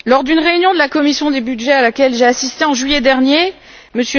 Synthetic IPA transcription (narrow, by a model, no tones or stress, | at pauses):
lɔʁd̪ynʁeynjɔ̃d̪əlakɔmisjɔ̃d̪ebyd̪ʒɛalakʲɛlʒeasist̪eɑ̃ʒɥijɛd̪ɛʁnje | məsjə